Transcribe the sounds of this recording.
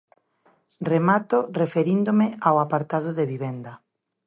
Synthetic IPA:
remat̪ʊrefeɾind̪omɪawapaɾt̪aðʊðeβiβɛnd̪ɐ

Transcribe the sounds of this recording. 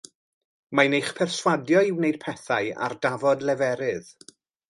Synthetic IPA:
manejχpʰɛrswadjɔɪwnejd̚pʰɛθaɨa̰rdavɔdlɛvɛɾɨð̥

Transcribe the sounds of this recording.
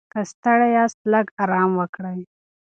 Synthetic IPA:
kəst̪aɽajɑst̪ləɡɑɾɑmwəkɽaj

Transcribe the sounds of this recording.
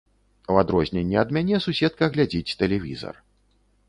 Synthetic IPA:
uwad̪ɾɔzʲnʲɛnʲːɛɐd̪mʲanʲɛsusʲɛt̪̚kɐɣlʲad͡zʲit͡sʲt̪ɛlʲɛvʲḭzɐ̰r

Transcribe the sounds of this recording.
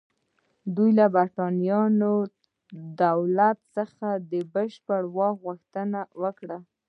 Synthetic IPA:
d̪ujlabaɾʈɑnijɑno | d̪awlat̪səxad̪əbəʃpəɽwɑɣuxt̪ənawəkɽa

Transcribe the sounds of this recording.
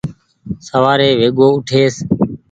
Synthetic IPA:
səʋaːɾeːʋeːɠoːʊʈʰeːs

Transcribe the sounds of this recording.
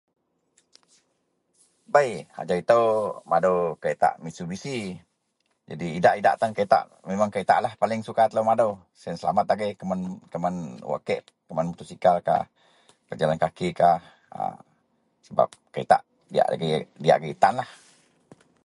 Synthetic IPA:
bajha̰d͡ʒait̪əwmadowkait̪a̰ʔmisubisi | d͡ʒa̰diːdaʔida̰ʔt̪ankait̪a̰ʔ | memaŋkait̪a̰ʔlahpalɪŋsukat̪ələmadow | snsəla̰mat̪̚aɡekəmankəmanwa̰kɛʔ̪ | kəmanmut̪usikalka̰h | kəd͡ʒalankakikah | ə̰ | səba̰p̚kaḭt̪a̰ʔ | dia̰ʔa̰ɡidia̰ʔɡit̪anlah

